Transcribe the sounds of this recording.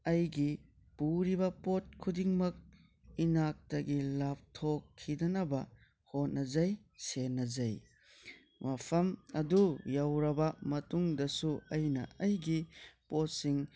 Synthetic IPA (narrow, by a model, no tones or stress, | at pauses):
ɐjɡi | puɾibɐpot̚kʰudiŋmɐk̚ | inak̚tɐɡilap̚tʰokʰːidɐnɐbɐ | hot̚nɐzɐjsenɐzɐj | wapʰɐmɐdujawɾɐbɐmɐtuŋdɐsuɐjnɐ̰ɐjɡipot̚siŋ